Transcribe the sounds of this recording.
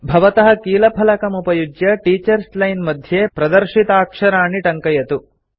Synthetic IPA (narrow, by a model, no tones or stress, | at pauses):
bʱɐʋɐt̪ɐɦɐkiːlɐpʰɐlɐkɐmupɐjud͡ʒjɐʈiːt͡ʃɐɾslɐjnmɐd̪ʱjeːpɾɐd̪ɐɾʂit̪aːkʂɐɾaːɳiʈɐŋkɐjɐt̪u